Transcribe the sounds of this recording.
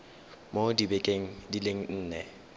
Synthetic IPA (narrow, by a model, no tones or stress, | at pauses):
modibɛkʼeŋ̩dileŋ̩n̩ːnɛ